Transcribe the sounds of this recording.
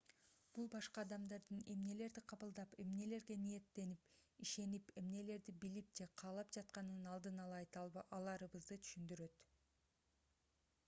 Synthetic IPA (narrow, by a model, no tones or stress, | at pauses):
b̥ulˠbɑʃqɑːd̪ɑmd̪ɑɾd̪ɯne̞mne̞le̞ɾd̪iqʰɑβɯlˠd̪ɑpe̞mne̞le̞ɾɡe̞nije̞t̪ːe̞nipiʃe̞nipe̞mne̞le̞ɾd̪ibilip̚d͡ʒe̞qʰɑːlˠɑpd͡ʒɑt̪̚qɑnɯnɑlˠd̪ɯnɑlˠɑjt̪ɑlˠɑɾɯβɯzd̪ɯt̪ʰy̥ʃynd̪yɾø̞t̪